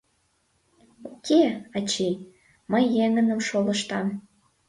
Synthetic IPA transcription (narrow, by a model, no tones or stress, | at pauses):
okʰeɑt͡ɕi | məjːeŋənəmʃoləʃt̪ɑm